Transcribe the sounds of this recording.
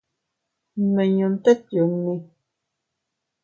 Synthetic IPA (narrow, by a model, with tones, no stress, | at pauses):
mə˨ɲo˨n˦t̪ɛ˦tjo˨ni˦